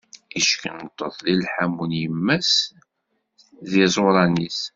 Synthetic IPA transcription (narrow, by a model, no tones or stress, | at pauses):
iʃkənət̪ˤːəðˤlilħæmːunjəmːæs | ðizˤoɾˤɑnis